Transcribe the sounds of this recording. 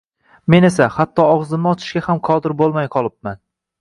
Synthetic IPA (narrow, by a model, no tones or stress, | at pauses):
me̞ne̞sahat̪ːɒɒʁzɪmnɪɒt͡ʃ̪ʰɪ̥ʃkʲahamqʰɒd̪ɪɾbolˠmajqʰɒlˠɪp̚man